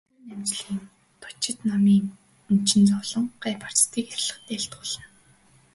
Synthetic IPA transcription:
ɾuːnæmt͡ɕɮ̆iːn | t̪ʰʊ̥t͡ɕɪ̆t̪namiːŋ | ɵnt͡ɕɪ̆nt͡sɔɮɞ̆ɴɢæpʰḁr̥t͡st̪iːkesɮə̆χt̪eːɬt̪ɢʊːɮə̆n

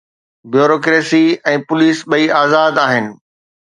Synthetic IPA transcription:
bjoːɾoːkɾeːsiɛ̃ːpʊliːsɓɐiaːzaːd̪aːɦɪnɪ̆

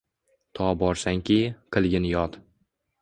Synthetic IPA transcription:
t̪ʰɒbɒɾsaŋkʲʰiqʰɨlˠɡʲɪnjɒt̪

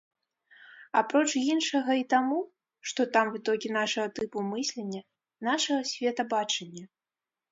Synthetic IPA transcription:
apɾɔt͡ʂjinʂɐɣɐit̪amu | ʂt̪ɔt̪amvɨt̪ɔkʲinaʂɐɣɐt̪ɨpumɨsʲlʲenʲːɐ | naʂɐɣɐsʲvʲɛt̪ɐbat͡ʂɐnʲːɐ

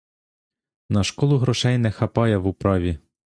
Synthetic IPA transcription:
nɐʃkɔlˠʊɦɾɔʃɛjnɛxɐpɑjɛʋupɾɑʋʲi

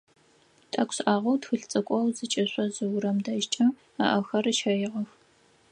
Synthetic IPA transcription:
tʼɐkʷʰʼɕʔaːʁɐwtxɨɬt͡sʼɐkʷʼɔwzɨt͡ʃʼɐɕʷʼɐzɨwʊɾɐmdɐʒt͡ʃʼɐ | a̰ʔɐxɐrɨʃɐjɪʁɐx

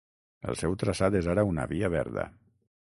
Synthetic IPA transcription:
ə̰lˠsɛwt̪ɾəsat̪ezaɾəunə̰βiəβɛ̰ɾðə̰

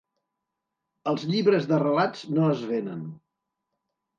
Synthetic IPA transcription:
əlˠzʎiβɾəzðərəlad͡znoəzβenən

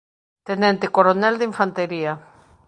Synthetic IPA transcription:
t̪enɛnt̪ekoɾonɛld̪iɱfant̪eɾia

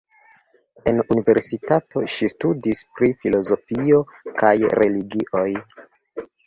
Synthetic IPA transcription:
e̞nunive̞ɾsitato̞̰ʃistudispɾifilo̞zo̞fio̞kajɾʔe̞liɡiʔo̞j

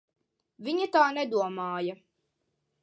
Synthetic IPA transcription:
viɲat̪aːnɛd̪uɔmaːjɐ

